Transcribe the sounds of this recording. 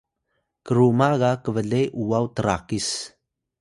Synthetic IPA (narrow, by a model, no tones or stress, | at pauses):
kəɾumaɣakəvəɮejʔuwawtəɾakis